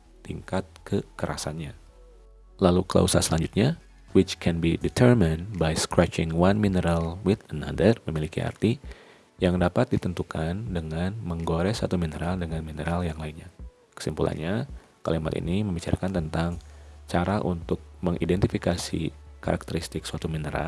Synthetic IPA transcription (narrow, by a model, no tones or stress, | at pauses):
t̪iŋkat̪̚kəkəɾʔa̰sa̰nɲa | lalukəla̰usa̰səlaɲd͡ʒut̪̚ɲa | wɪt͡ʃkʰɛnbidit̪ʰərmənbajskɾɛt͡ʃɪŋwanminəɾalwɪt̪əna̰dərməmilikia̰rt̪i | jaŋdapat̪̚dit̪ənt̪ukʰandəŋanməŋɡoɾɛsa̰t̪uminəɾaldəŋanminəɾaljaŋlainɲa | kə̥simpulʔa̰nɲa | kalima̰t̪ḭniməmbit͡ʃa̰ɾakant̪ənt̪aŋt͡ʃaɾaʔunt̪ʊk̚məŋʔidɛnt̪ifikasḭ | kaɾʔak̚t̪əɾist̪ɪksəat̪uminəɾa̰l